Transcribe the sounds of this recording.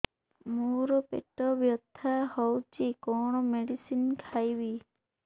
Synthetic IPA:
muɾɔpḛʈɔbjɔt̪ʰːahɔwt͡ʃʰikɔɳ̃ɔmeɽisinkʰajbi

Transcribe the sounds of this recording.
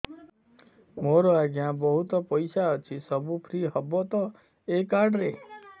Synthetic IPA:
moɾoaɡjãːbəɦut̪ɔpəjsaət͡ʃʰisəbupʰɾiɦəbɔt̪ɔ | ekaɖɾe

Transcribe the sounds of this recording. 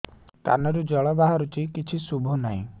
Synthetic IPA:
ka̰nɔɾud͡ʒɔɭɔbaɦɔɾut͡ʃikit͡ʃʰisubʱɔnaɦḭ̃

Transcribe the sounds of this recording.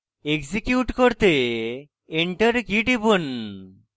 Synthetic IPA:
eksikjuʈkoɾt̪e | eɳʈəɾkiʈibun

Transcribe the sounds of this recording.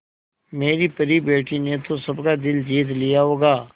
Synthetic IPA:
meːɾiːpəɾibeːʈiːnet̪osəbkaːd̪ɪld͡ʒiːt̪lɪjaɦoːɡaː

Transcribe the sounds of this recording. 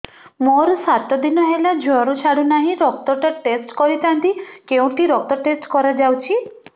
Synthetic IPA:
moɾusat̪ɔd̪inɔɦelad͡ʒʱɔɾut͡ʃʰaɽunaɦĩɾɔk̚t̪ɔʈeʈesʈkɔɾit̪ʰãnt̪ikeũʈiɾɔk̚t̪ɔʈesʈkɔɾad͡ʒawt͡ʃʰi

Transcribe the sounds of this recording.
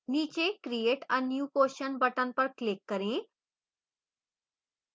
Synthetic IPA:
nit͡ɕekɾieʈãnjuːkoɕənbəʈãmpəɾklekːəɾẽ

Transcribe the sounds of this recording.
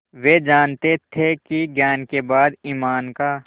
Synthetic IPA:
ʋed͡ʒaːnt̪et̪ʰekiɡjaːnkebaːd̪iːmaːnkaː

